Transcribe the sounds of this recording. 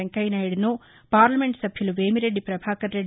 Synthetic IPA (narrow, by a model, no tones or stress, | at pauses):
eŋkɐjnaːjuɽinu | paːɾlɐme̞ɳʈsɐbʱjuluʋeːmiɾe̞ɖːipɾɐbʱaːkɐɾeɖ